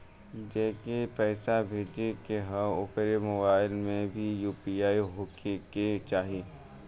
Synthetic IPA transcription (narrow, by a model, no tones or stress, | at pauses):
d͡ʒɛːkepɛːsabʱeːd͡ʒekeɦə̃ʊkɾemʊbaːɪlmẽbʱijuːpiaːiɦoːkeket͡ʃaːɦieː